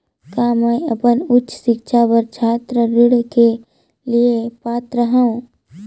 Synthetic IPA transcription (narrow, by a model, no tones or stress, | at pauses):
kaːməiəpənʊtːt͡ʃsɪkʃʰabəɾt͡ʃʰaːt̪ɾəɾɪɽke | liepaːt̪ɾəɦaũ